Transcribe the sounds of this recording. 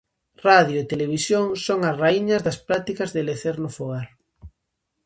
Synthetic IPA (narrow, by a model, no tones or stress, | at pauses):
raðjoet̪eleβ̞isjoŋsoŋɐsraiɲɐzðɐspɾat̪ikɐzðɪleθeɾnʊfoɣaɾ